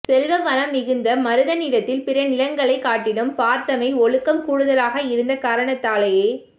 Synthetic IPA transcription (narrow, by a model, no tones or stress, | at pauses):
sɛlʋɐʋɐlɐmːɪɣɯnd̪ɐmɐɾɯðɐniːɾɐt̪ːɪlpɪɾɐnɪlɐŋɡɐɭɐɪkːaːʈːɪɽɯmpaːɾt̪ɐmɐɪɔɻɯkːɐmkuːɽɯðɐlaːɣɐɪɾɯnd̪ɐkaːɾɐɳɐt̪ːaːlɐjeː